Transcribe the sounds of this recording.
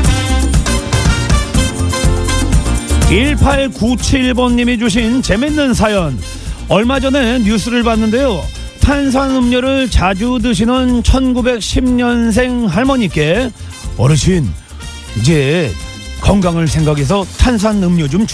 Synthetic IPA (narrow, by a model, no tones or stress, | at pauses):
iɭpʰaɭkut͡ɕʰiɭbʌnːimid͡ʑuɕ̬ʰint͡ɕe̞menːɯns̬ʰajʌn | ʌɭmad͡ʑʌne̞mjus̬͈ʰɯɾɯɭbanːɯnde̞jo | tʰans̬ʰanɯmɲʌɾɯɭt͡ɕad͡ʑudɯɕ̬ʰinɯnt͡ɕʰʌnɡube̞k̚ɕʰimɲʌns̬ʰe̞ŋɦaɭmʌɲik͈e̞ | ʌɾɯɕʰin | id͡ʑe̞ | kʌŋɡaŋɯɭs̬ʰe̞ŋɡaɡe̞s̬ʰʌtʰans̬ʰanɯmɲʌd͡ʑomt͡ɕ